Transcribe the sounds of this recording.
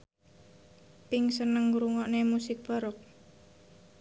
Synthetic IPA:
pɪŋsənəŋuɾuŋɔʔnemusɪk̚b̥a̤ɾɔk̚

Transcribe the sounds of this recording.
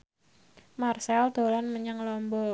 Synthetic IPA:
marsɛld̪̥o̤lanməɲaŋlɔmbɔ

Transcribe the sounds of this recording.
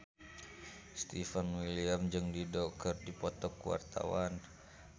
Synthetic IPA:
st̪ifanwiliamd͡ʒɨŋdidɔkk̪ərdipɔt̪ɔkuwa̰rt̪a̰wan

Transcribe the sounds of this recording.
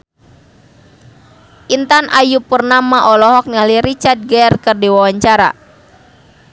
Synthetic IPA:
ʔint̪anʔajupərnamaʔɔlɔɦɔk̚nialiɾit͡ʃard̪̚ɡarkərdiwawaɲt͡ʃaɾa̰

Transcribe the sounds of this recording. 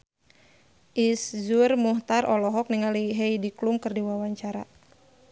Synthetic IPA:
ʔiszurmuht̪arɔlɔɦɔk̚niŋaliɦɛjdiklumkɨrdiwawaɲt͡ʃaɾa̰

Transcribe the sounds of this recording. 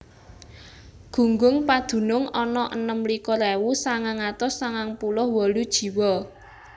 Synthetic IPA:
ɡ̥ṳŋɡʊŋpad̪̥ṳnʊŋɔnɔʔənəmlikɔlewusaŋaŋat̪ʊsːaŋaŋpulʊhwɔlud̥ʒ̥i̤wɔ

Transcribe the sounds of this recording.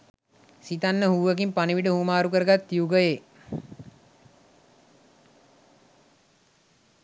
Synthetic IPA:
sit̪anːəhuːəkimpaniʋiʈəhuːmaːɾukəɾəɡat̪ːiuɡəje

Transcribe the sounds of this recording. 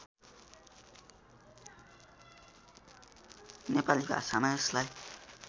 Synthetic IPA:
nepalika̰samajslaj

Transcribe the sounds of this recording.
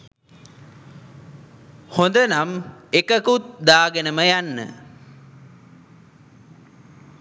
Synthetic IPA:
hond̪ənamekəkut̪̚d̪aːɡenəməjanːə̰

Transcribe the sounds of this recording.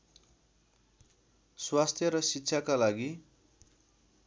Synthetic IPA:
swast̪ʰjʌɾʌsitːɕʰakalaɡi

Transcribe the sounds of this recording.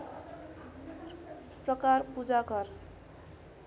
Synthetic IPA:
prʌkarpud͡zakʌr

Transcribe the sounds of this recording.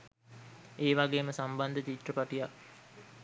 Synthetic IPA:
eːʋaɡeːməsamband̪ət͡ʃit̪rəpaʈijak

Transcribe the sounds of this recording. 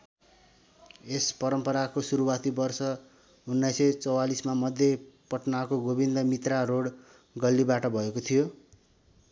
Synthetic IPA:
espʌɾʌmpʌɾakosuɾuwat̪ibʌrsʌ | unːʌjsʌt͡sʌwalismamʌd̪ʱjepʌʈnakoɡobind̪ʌmit̪raroɽ | ɡʌlːibaʈʌbʱʌekot̪ʰijo

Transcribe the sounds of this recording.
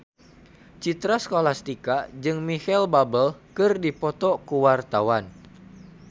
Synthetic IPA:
t͡ʃit̪ɾasə̥kolast̪ikad͡ʒɨŋmihɛlbabəlkɨrdipɔt̪ɔkuwart̪awan

